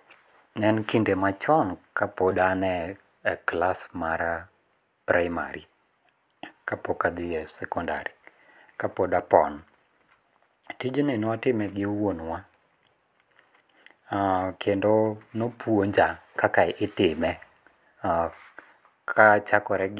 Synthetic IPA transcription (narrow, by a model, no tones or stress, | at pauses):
nɛnkindemat͡ʃɔnkapodanɛ | klasmaɾa | pɾaɪma̰ɾi | kapokad̪ɪɛsɛkɔnda̰ɾi | kapodapɔ̰n | tid͡ʒonɪnɔatɪmɛɡɪwonwa | kʰendonopwoɲd͡ʒakakaɪʔɪtɪmɛ | kʰat͡ʃakɔɾɛɡ